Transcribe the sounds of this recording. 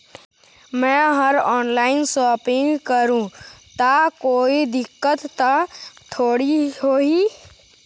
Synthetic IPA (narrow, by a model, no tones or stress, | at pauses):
mɛ̃ːɦəɾɔːnlaːɪnsɔːpɪ̃ŋɡkəɾũt̪akoːid̪ɪkːət̪ːət̪ʰoːɽiɦoːiː